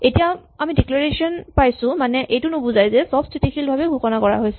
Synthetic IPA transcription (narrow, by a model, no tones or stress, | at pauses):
etijaamidiklɔɹesiɔnpajsʊ̃manɛʔejtʊnʊbuzajzɛsɔbsʰitixʰilbʱabɛɡʱukɔnakɔɹa̰ɦojsɛ